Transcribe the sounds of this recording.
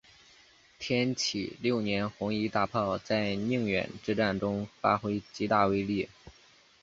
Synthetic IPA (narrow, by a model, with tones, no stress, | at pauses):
t̪ʰjɛ˥nt͡ɕʰḭ˨˩ljo˥˩ʊnjɛ˧˥nxʊ˧˥ŋi˧˥t̪a˥˧pʰɑ˥˧ʊt͡sa˥˧ɪni˥˧ŋɥɛ̰˨˩nʈ͡ʂɻ̩˥˧ʈ͡ʂa˥˩nʈ͡ʂʊ˥ŋfa˥xwe˥ɪt͡ɕi˧˥t̪a˥˩we˥ɪli˥˩